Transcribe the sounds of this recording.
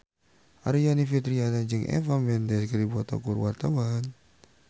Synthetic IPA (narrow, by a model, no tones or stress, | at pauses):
ʔaɾijanifit̪ɾianad͡ʒɨŋʔɛ̰fambɛnd̪ɛskədibuat̪ɔ̰kurwart̪awan